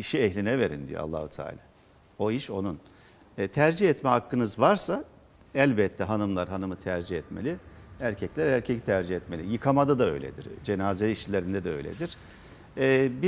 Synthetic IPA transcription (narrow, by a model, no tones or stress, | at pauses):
iʃiɛɦlʲinɛve̞ɾḭnd̪ijo̰a̰lˠːaːhut̪ʰa̰ːlʲa̰ː | o̞iʃo̞nun | ɛt̪ʰæɾd͡ʒihɛt̪mɛhakːɯnɯzvaɾsa | ælʲbɛt̪ʰːɛɦanɯmlˠaɾɦanɯmɯt̪ʰæɾd͡ʒihɛt̪melʲiæɾcʰɛclʲæɾæɾcʰecʰi̥t̪ʰæɾd͡ʒihɛt̪me̞lʲijɯkʰamad̪ad̪aø̞̰jlʲḛd̪ḭɾd͡ʒe̞naːzɛiʃlʲe̞ɾind̪ɛd̪ɛø̞jlʲḛd̪iɾ̥ | ɛːbi